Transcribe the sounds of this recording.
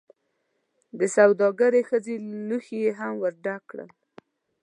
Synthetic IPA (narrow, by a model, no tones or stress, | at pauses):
d̪əsawd̪ɑɡaɾexəzeluxejeɦamwəɾɖakɽə̰l